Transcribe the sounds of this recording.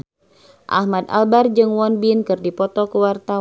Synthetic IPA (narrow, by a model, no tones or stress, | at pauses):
ʔa̰hmad̪a̰lbard͡ʒɨŋwɔnbinkɨrdipɔt̪ɔkəwart̪a